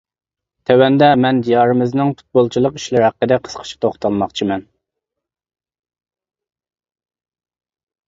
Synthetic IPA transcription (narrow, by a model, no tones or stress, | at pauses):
t̪ʰɛwɛnd̪ɛmɛnd̪ijɑɾɨmɨznɨŋpu̥t̪̚bolˠt͡ʃʰilˠəqi̥ʃlɪɾhæqːəd̪ɛqʰə̥sqʰə̥ʃi̥t̪ʰoχt̪ʰɑlˠmɑχt͡ʃʰimɛn